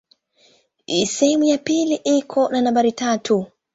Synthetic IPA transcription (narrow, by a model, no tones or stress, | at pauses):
isɛhɛmujapiliʔikʰɔnanambaɾitatʰu